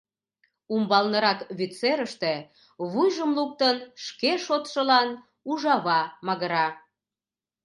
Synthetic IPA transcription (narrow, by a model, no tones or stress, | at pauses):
umbɑlnəɾɑkβit̪t͡seɾəʃt̪e̽ | βujʒəmluk̚t̪ənʃkeʃot̪ʃəlɑn | uʒɑβɑmɑɣəɾɑ